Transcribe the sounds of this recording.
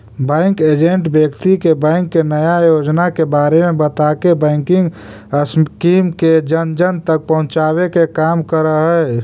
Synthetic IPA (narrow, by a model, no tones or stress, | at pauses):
bə̃ɪŋkeːd͡ʒẽɳʈbjəkt̪ikebɛ̃ɪŋkːenəjajoːd͡ʒnakebaːɾemẽbət̪akebɛ̃ɪŋkɪ̃ŋɡ | əskiːmked͡ʒənd͡ʒənt̪ək̚pəɦʊ̃t͡ʃaːwekekaːmkəɾəɦɛ